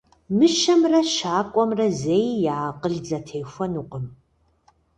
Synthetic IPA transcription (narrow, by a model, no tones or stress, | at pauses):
mɨʃɐmrɐʃaːkʷʼɔmrɐzejjaːqʼəɮd͡zɐtʰejxʷɐnuːqʼəm